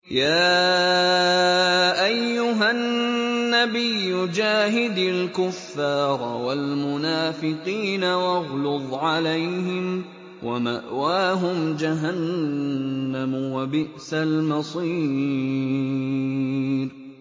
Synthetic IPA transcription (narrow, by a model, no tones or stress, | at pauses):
jaː | ʔajːʊɦanːabɪjːʊd͡ʒaːɦɪd̪alkʊfːɑːɾˤwalmʊnaːfɪqiːnawɑɣlʊðˤʕalajhɪm | wʔa̰ma̰ʔwaːɦʊmd͡ʒaɦanː | amwabɪʔsalmɑsˤiː | ɾ